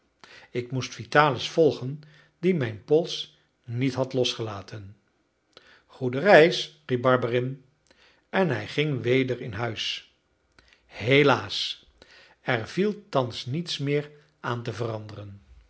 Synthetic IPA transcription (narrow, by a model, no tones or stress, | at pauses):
ɪkmustfitaːləsfɔlˠχən | dimɛjnpɔlˠs | nitɦɑtlɔsχəlaːtʰən | χudərɛjsrip̚bɑɹbərɪn | ɛnɦɛjχɪŋʋejdəɹɪnɦœɥs | ɦelaːs | ɛɹvilˠtɑnsnitsmɪːɹ | ʔaːntəvərɑndərən